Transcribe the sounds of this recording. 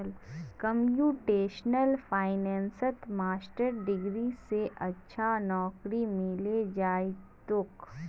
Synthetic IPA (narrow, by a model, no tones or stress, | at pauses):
lkəmjuːʈeːʃnəlfʰaːɪnɛ̃ːnsət̪maːsʈəɾɖɪɡɾiseʔɐtːʃʰanɔːkɾimɪled͡ʒaːit̪ʊk